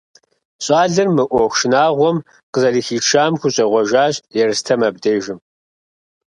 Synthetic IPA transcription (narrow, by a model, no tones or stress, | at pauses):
ɕʼaːɮɨrmɨʔʷɔxʷʃɪnaːʁʷɔm | qəzɐɮiːxiːʈ͡ʂʰaːmxʷʊɕʼɐʁʷɔʒaːɕjɛrɨstʰɐmɐb̚deːʒɪm